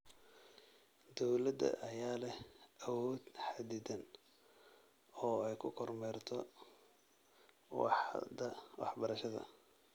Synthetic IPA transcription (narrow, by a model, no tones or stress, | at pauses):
d̪ɔwlɐd̪ɐ̰ʔɐjaːlɛhɐwɔːd̪̥ħad̪iːd̪ɐn | ɔːɛjkʰʊkʰɔrmɛrt̪ʰɔ | wd̪ɐwɑ̰ħbɐɾɐʃɐðɐ̰